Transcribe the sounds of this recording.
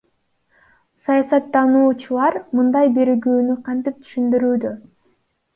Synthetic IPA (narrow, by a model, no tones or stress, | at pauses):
sɑjɑsɑt̪ːɑnuːt͡ʃulˠɑɾmɯnd̪ɑjbe̞ɾɡyːnyqʰɑnt̪ip̚t̪ʰy̥ʃynd̪yɾyːd̪ø